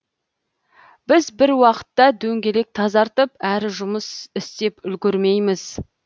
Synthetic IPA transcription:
b̥ɪzbɪɾwɑqə̥t̪ːɑd̪ɵŋɡʲe̞le̞k̚t̪ʰɑzɑɾt̪əpæɾɪʒʊməsɪst̪e̞pʏlɡʲɪɾme̞jmɪz̥

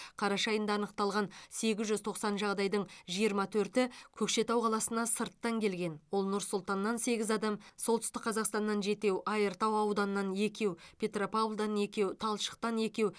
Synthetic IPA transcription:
qʰɑɾɑʃɑjənd̪ɑːnəqt̪ɑlˠʁɑnse̞ɡʲɪzʒʏzt̪ʰo̞qsɑnʒɑʁd̪ɑjd̪əɴʒijəɾmɑt̪ʰɵɾt̪ɪkʲʰɵkʃe̞t̪ɑwqʰɑlˠɑsənɑsəɾt̪ːɑŋkʲʰe̞lɡʲe̞nwo̞lˠnʊɾsʊlˠt̪ɑnːɑnse̞ɡʲɪzɑd̪ɑmsolˠt̪ʏst̪ɪkqʰːɑzɑqst̪ɑnːɑnʒe̞t̪e̞wʔɑjəɾt̪ɑwɑwd̪ɑnəːɑnje̞kʲe̞wpʲʰe̞t̪ropablˠd̪ɑne̞kʲe̞wt̪ʰɑlˠʃə̥q̚t̪ɑne̞kʲe̞w

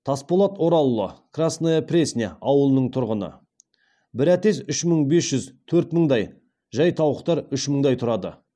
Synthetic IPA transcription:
t̪ʰaspo̞lˠɑt̪wo̞ɾɑlˠːo̰krasnojaprʲesʲnʲeɑwəlˠənəɴt̪ʰʊɾʁənə̰ | bɪɾæt̪e̞sʏʃməɴbe̞sʒ̥ʏzt̪ʰɵɾt̪məɴd̪ɑj | ʒɑjt̪ʰɑwəqt̪ɑɾʏʃməɴd̪ɑjt̪ʰʊɾɑd̪ə̰

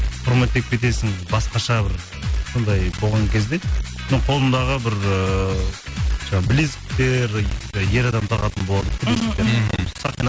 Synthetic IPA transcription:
qʰʊɾme̞t̪ːek̚pʰʲe̞t̪̬e̞sɪŋbɑsqɑʃɑbɪɾ | so̞nd̪ɑjbo̞lˠʁɑŋkʲʰe̞zd̪e | nəɴqʰo̞lˠənd̪ɑʁəbɪɾə | ʒ̥ɑɴɑbɪlesɪ̥k̚t̪e̞ɾje̞ɾɑd̪ɑmt̪ʰɑʁɑt̪ənbo̞lˠɑd̪ək̪ʲʰɪlesɪkt̪eɾsɑqin

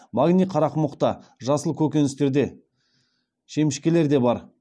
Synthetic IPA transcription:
maɡnʲijqʰɑɾɑqəmʊqt̪ɑʒɑsəlˠkʲʰɵkʲe̞nɪst̪e̞ɾd̪e̞ | ʃe̞mɪʃkʲe̞le̞ɾd̪e̞bɑɾ

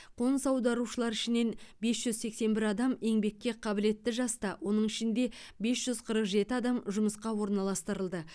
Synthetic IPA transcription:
qʰonəsɑwd̪ɑɾuʃəlˠɑɾɪʃɪne̞nbe̞sʒ̥ʏzse̞kse̞nbɪɾɑd̪ɑme̞ŋbe̞kʲːe̞qʰɑbɪle̞t̪ːɪʒɑst̪ɑwʔo̞nəɴɪʃɪnd̪e̞be̞sʒ̥ʏz̥qʰəɾəqʒe̞t̪ɪɑd̪ɑmʒʊməsqɑwo̞ɾnɑlˠɑst̪əɾəlˠd̪ə

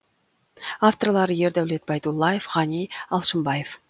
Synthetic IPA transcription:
aft̪orlˠɑɾəje̞ɾd̪æwle̞t̪̚bɑjd̪ulˠːɑjefʁɑnijɑlˠʃəmbɑjef

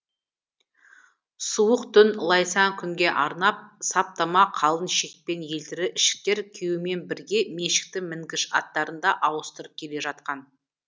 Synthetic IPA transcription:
suwəqt̪ʰʏnlˠɑjsɑŋkʲʰʏŋɡʲe̞ʔɑɾnɑp̚sɑp̚t̪ɑmɑqʰɑlˠənʃe̞k̚pe̞nje̞lt̪ɪɾɪʔɪʃɪ̥k̚t̪e̞ɾkʲʰewɪme̞nbɪɾɡʲe̞me̞ʃɪ̥k̚t̪ɪmɪŋɡʲɪʃɑ̰t̪ːɑɾənd̪ɑʔɑwəst̪əɾəp̚kʲʰe̞le̞ʒɑt̪̚qɑn

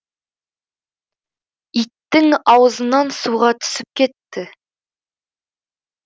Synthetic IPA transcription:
it̪ːɪŋɑwɤzə̆nɑnsuʁɑt̪ʰʏ̥sɪp̚kʲe̞t̪ːɪ

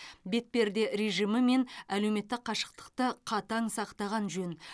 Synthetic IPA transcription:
be̞t̪̚pe̞ɾd̪e̞ɾeʒijməme̞næle̞wme̞t̪ːɪqʰɑʃə̥q̚t̪ə̥qt̪əqʰɑt̪ɑŋsɑqt̪ɑʁɑnʒɵn

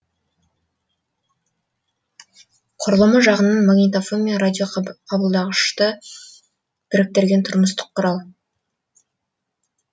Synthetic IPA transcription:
qʰʊɾəlˠəməʒɑʁənənmaɡnit̪ofomʲijaɾad̪ʲioɑbəlˠd̪ɑʁəʃt̪ə | b̥ɪɾɪk̚t̪e̞ɾɡʲe̞nt̪ʰʊɾməst̪ə̥qʰːʊɾɑlˠ

